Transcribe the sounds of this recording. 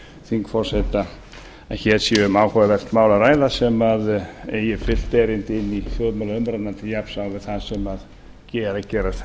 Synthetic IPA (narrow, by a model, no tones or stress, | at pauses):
θiŋkfɔr̥sɛt̪a | açɛːsiʏmaːwkʰavɛr̥t̪maːwlaɾaːjðasɛmaðejɪfɪl̥t̪ɛɾɪnt̪ɪnːifjɔðmɛlaʏmɾannant̪ɪjapsawvɪð̥θaðsɛmað | cɛːɾacɛːɾḁ